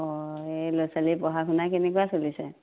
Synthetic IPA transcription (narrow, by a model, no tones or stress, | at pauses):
ɔelɔsalipɔɦakʰʊnakenɛkuasolisɛ